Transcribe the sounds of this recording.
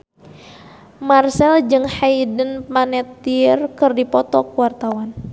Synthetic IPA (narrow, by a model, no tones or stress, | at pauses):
marsɛld͡ʒɨŋhajdənpanɛt̪irkɨrdipɔt̪ɔkuwart̪awan